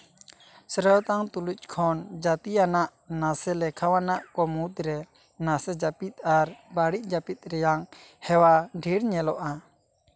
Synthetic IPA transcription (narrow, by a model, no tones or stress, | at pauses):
səɾət̪aŋt̪uluc̚ˀkʰɔnd͡ʒat̪ianaʔ | nasɛlɛkʰawanaʔkɔmut̪ɾɛ | nasɛd͡ʒapit̪̚aɾbaɽic̚ˀd͡ʒapit̪̚ɾɛjaŋhɛwaɖʱiɾɲɛlɔʔa